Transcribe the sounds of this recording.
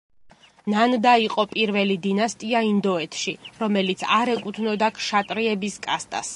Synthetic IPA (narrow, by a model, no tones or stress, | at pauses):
nand̪aiqʼɔpʼiɾvɛlid̪inast̪ʼiaind̪ɔɛt̪ʰʃiɾɔmɛlit̪sʰaɾɛkʼut̪ʰnɔd̪akʰʃat̪ʼɾiɛbiskʼast̪ʼa̰s